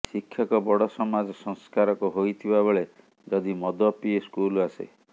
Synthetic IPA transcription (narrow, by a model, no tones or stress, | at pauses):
sikʰːjɔkɔbɔɽɔsɔmad͡ʒɔsɔŋskaɾɔkuɦojt̪ʰibabeɭe | d͡ʒɔd̪imɔd̪ɔpieskulasḛ